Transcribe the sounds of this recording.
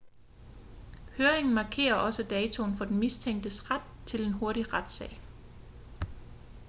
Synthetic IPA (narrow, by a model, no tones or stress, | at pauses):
høːɐeŋn̩mɑ̈kʰe̝̰ːɐʔɒ̽səd̥ɛːt͡sʰo̝nfɒ̽d̥enmist͡sʰeŋ̰d̥əsʁad̥̚t͡sʰe̝le̝nɦo̝ɐɾiʁad̥sɛ̰ːɪ̰